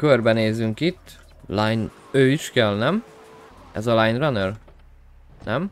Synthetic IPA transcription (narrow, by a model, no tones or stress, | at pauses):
kørbɛneːzyŋkit̪ː | lajn | øːiʃkɛlnɛm | ʔɛ̰zɒlajnrɒnør | nʔɛm